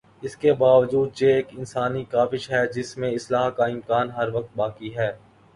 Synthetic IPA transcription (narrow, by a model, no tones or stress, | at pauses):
ɪskebaːʋd͡ʒuːd̪jeeːkɪnsaːnikaːfɪʃɦɛd͡ʒɪsmẽɪslaːɦkaɪ̃mkaːnɦɐɾʋɐk̚t̪̚baːkiɦɛː